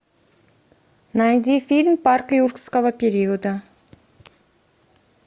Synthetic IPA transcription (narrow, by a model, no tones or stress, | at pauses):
najd̪ʲifʲilʲmparklʲjurkskəvəpʲeɾʲiud̪a